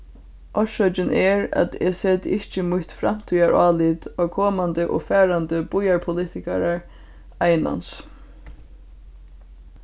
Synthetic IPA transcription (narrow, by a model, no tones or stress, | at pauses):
ʔɔʃœt͡ʃɪnʔɛɹa̰t̪ɛseːt̪ɪht͡ʃəmʊht̪fɾam̥t̪ʰyːjaɹɑːlit̪ɔkʰɔːmand̪əʔɔ̰fɛːɾand̪əb̥ʊjaɹpʰʊliːt̪ɪkaɾaɹ | ajna̰ns